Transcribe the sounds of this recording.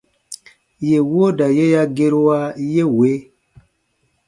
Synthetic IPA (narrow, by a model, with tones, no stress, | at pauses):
je˨wo˦da˨je˦ja˦ɡe˦ɾo˦wa˦je˦we˨˦